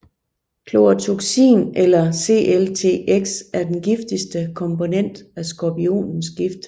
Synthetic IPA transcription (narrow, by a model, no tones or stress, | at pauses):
kʰlo̝æt͡sʰoɡ̥sḭːnelɐse̝̰ːʔelt͡sʰe̝̰ːeɡ̥sæɐd̥enɡ̥ifd̥isd̥əkʰɒ̽mpo̝nen̰d̥æsɡ̥ɒpio̝̰ːnn̩sɡ̥ifd̥